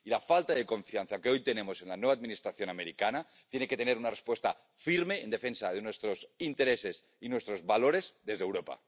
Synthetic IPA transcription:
ilafalt̪aðe̞ko̞ɱfianθakeo̞jt̪ene̞mo̞se̞nlanwe̞βad̪minist̪ɾaθjo̞nameɾikana | t̪je̞neke̞t̪ene̞ɾunarespwe̞st̪a | fiɾme̞ːnd̪efe̞nsaðe̞nwe̞st̪ɾo̞sint̪e̞ɾe̞se̞s | inwe̞st̪ɾo̞zβalo̞ɾezðe̞zðewɾo̞pa̰

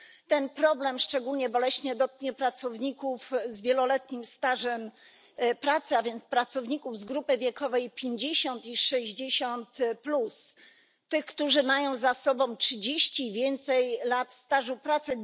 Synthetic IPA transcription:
t̪ɛnpɾɔblɛmʂt͡ʂɛɡulɲɛbɔlɛɕɲɛd̪ɔt̪̚kɲɛpɾat̪sɔvɲikufzvʲjɛlɔlɛt̪ɲimst̪aʐɛm | pɾat̪sɘavʲjɛnt̪spɾat̪sɔvɲikuvzɡɾupɘvʲjɛkɔvɛjpʲjeɲd͡ʑeɕɔnt̪iʂɛʑd͡ʑeɕɔnt̪plus | t̪ɘxkt̪uʐɘmajɔ̃w̃zasɔbɔ̃w̃tʂɘd͡ʑeɕt͡ɕiːvʲjɛnt̪sɛjlat̪st̪aʐupɾat̪sɛ

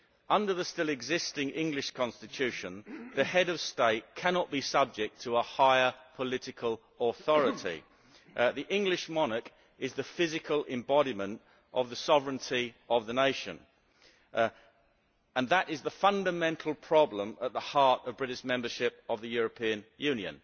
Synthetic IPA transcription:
ʌ̃ndəðəstɪlˠɪɡzɪstɪ̃ŋʔɪ̃ŋɡlɪʃkʰɑ̃nstɨtʰʉˑʃə̃nðɨhɛɾəv̥steɪt̚kʰænɑʔ̚b̥isʌb̚d͡ʒɪk̚tʰəəhaɪəpʰəlɪɾɨkʰəlˠ | əθɔɹɨtʰḭ | ðiʔɪ̃ŋɡlɪʃmɑnək | ɪzðəfɪzɨkʰəlˠɪ̃mbɑɾimə̃nt | ʔəvðəsɒvɹə̃ntʰiəvðəneɪʃɨ̰̃n | ə̃nðəɾɪzðəfʌ̃ndəmɛ̃ntʰˡl̩ˠpʰɹ̥ɑblə̃mət̪̚ðəhɑˑɹtəvbɹɪɾɪʃmɛ̃mbə˞ʃɪp̚əvðɨjʊɹəpʰĩə̃njʉ̃njɨ̰̃n

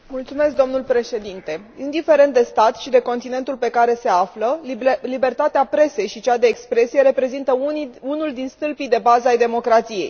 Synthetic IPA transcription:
mult̪sume̞sk̚d̪o̞mnulpɾe̞ʃe̞d̪int̪e̞ | ind̪ife̞ɾe̞nt̪d̪e̞st̪at̪ʃid̪e̞ko̞nt̪ine̞nt̪ulpe̞kaɾe̞se̞afləlibe̞rt̪at̪eapɾe̞se̞jʃit͡ʃad̪e̞ːkspɾe̞sije̞ɾe̞pɾe̞zint̪əunuld̪inst̪ɨlpid̪e̞bazəajd̪e̞mo̞kɾat̪sije̞j

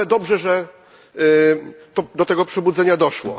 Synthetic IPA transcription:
ɛd̪ɔbʐɛʐɛ | t̪ɔd̪ɔt̪ɛɡɔpʂɛbud̪zɛɲad̪ɔʂwɔ̰

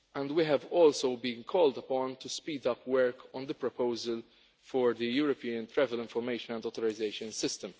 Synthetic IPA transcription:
ɛ̃nd̪wiɦɛvɔːlsoʊbĩnkʰɔːld̪ɐpɔ̃nt̪uspiːd̪ɐpwəɹkʰɔ̃nd̪əpɾɔpoʊzəl | fɔɹd̪əjuːɾɔpiːə̃nt̪ɾɛvəlɪ̃ɱfɔɾmeɪʃə̃nɛ̃ndɔːt̪ɔɾɪzeɪʃə̃nsɪstə̃m

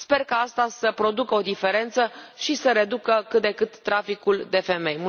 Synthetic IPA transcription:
spe̞rkaast̪asəpɾo̞d̪ukəo̞d̪ife̞ɾe̞nt̪səʃisəɾe̞d̪ukəkɨt̪̚d̪e̞kɨt̪ːɾafikuld̪e̞fe̞me̞jmu

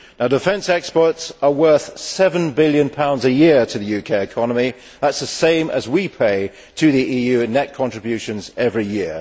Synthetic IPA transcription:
naʊdɨfɛ̃nsɛkspə˞tsəwɜ˞θsɛvə̃nbɪlˠjɨ̃npʰãʊ̃ndzɨjɪətʰɨðɨjʉkʰeɪɨkʰɒnəmi | ðætsðəsẽɪ̃mʔə̰zwipʰeɪ | tʰɨðiʔiːjʉnɛt̚kʰɒ̃nt͡ʃɹ̥ɨbjʉˑʃɨ̃nzɛvɹijɪə

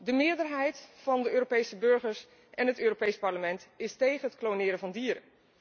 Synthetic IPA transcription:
dəmɪːɹdəɹɦɛjtfɑndəʔøːropejsəbɵɹχəɹs | ʔɛnɦətøːropejspɑɹləmɛntɪstejχənɦətklownɪːɾəvɑndiːɾə

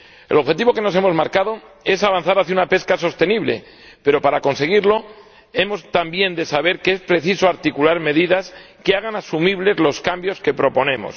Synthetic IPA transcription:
e̞lo̞βxe̞t̪iβo̞ke̞no̞s̬e̞mo̞zmaɾkað̞o̞ | e̞saβ̞anθaɾaθjunape̞skaso̞st̪e̞niβle̞̰ | pe̞ɾo̞paɾako̞nse̞ɣiɾlo̞ | e̞mo̞st̪ambje̞nd̪e̞saβe̞ɾkeespɾe̞θiso̞aɾt̪ikulaɾme̞ðiðas | keaɣ̞anasumiβ̞le̞zlo̞skambjo̞ske̞pɾo̞po̞nẽ̞mo̞̰s

